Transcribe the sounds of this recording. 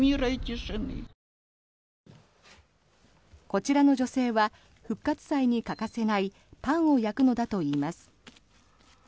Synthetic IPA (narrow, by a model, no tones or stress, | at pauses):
mʲiɾait̪ʲiʂɨmḭ | ko̞t͡ɕiɾano̞d͡ʑo̞se̞ːβa | ɸɯ̟kːat͡sɨ̥saiɲ̟ikakase̞nai | pãɰ̃o̞jakɯ̟no̞d̪at̪o̞iːmasɨ̥